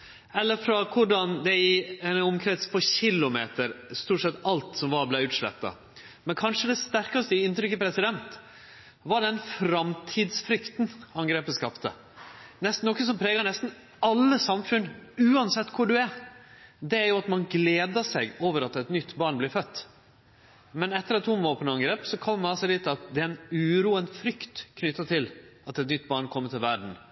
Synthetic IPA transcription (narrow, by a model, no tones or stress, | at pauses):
ɛlːəɾfɾɔkʰʊɖɑnd̪ɛɪɛnɔmkʰɾɛt̪spʰɔɕɪlːʊmeːt̪əɾst̪uːʈʂɛt̪ːɑlt̪sɔmʋɑɾblæɪʉːt̪ʂlɛ̰pt̪ːɑ̰ | mɛnkʰɑnʂəd̪ɛst̪æɾkɑst̪əɪɪnt̪ɾʏkːəpʰɾɛsɪd̪ɛnt̪ | ʋɑɖɛnfɾɑmt̪ʰiːd̪sfɾʏkt̪nɑŋɡɾeːpəskɑpt̪ə | nɛst̪nɔkːəsɔmpʰɾeːɡɑnɛst̪n̩ | ɑlːəsɑmfʉnʉːɑnsɛt̪ːkʰʊɖʉæɾ | d̪ɛæɾjʊɑt̪mɑnɡleːd̪əʂɛɡoːʋəɾɑt̪ɛt̪nʏt̪ːbɑɳblɪɾfœt̪ː | mɛnɛt̪ːəɾɑt̪ʰːuːmoːpʰɔnɑŋɡɾeːpsɔkʰɔmːmɑsɛd̪iːt̪ɑt̪̚d̪ɛɛnʉːɾuːənfɾʏkt̪kʰnʏt̪ːɑt̪ʰɪlɑt̪ɛt̪nʏt̪ːbɑɳkʰɔmːət̪ʰɪlʋæɖɳ̩